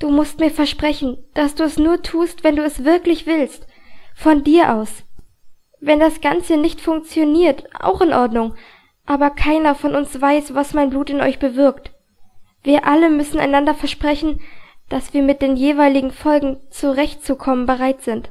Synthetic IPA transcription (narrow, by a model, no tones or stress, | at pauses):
d̥uːmʊst̚miːɐfɛɐʃpʁ̥ɛçn̩d̥asd̥uːɛsnuːɐtʰuːstv̥ɛnduːɛsv̥ɪɐklɪçv̥ɪlstfɔndiːɐʔa̰ʊs | vɛndasɡ̥ant͡sənɪçtfʊŋk̚t͡sjoniːɐtʔa̰ʊxɪnʔɔɐdnʊŋ | ʔaːbɐkʰaɪnɐfɔnʔʊnsv̥aɪsv̥asmaɪnbluːtɪnɔ̰ʏçb̥əvɪɐkt | v̥iːɐʔaləmʏsn̩a̰ɪnandɐfɛɐʃpʁ̥ɛçn̩d̥asv̥iːɐmɪt̚d̥eːnjeːvaɪlɪɡŋ̩fɔlɡŋ̩t͡suʁɛçtt͡sukʰɔmənbəʁ̞aɪtz̥ɪnt